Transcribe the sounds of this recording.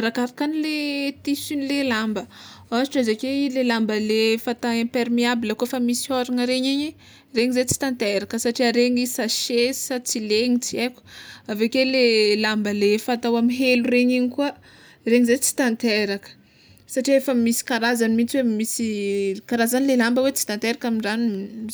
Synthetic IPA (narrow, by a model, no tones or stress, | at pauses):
aɾakaɾakanilet̪isinilelambəaziʈ͡ʂazakeilelambəlefat̪aepeɾmiabiləkufamisioɾaŋəɾeɲeɲi | reɲizet͡si̥t̪ant̪eɾakəsaʈ͡ʂiaɾeɲisaʃesat͡sileɲit͡sieku̥avekelelambəlefat̪awamiɦeluɾeɲiɲikuə | reɲizet͡si̥t̪ant̪eɾakə̥ | saʈ͡ʂiefəmisi̥kaɾazanimit͡swemisikaɾazanilelambəwet͡si̥t̪ant̪eɾakamiɳɖ͡ʐanu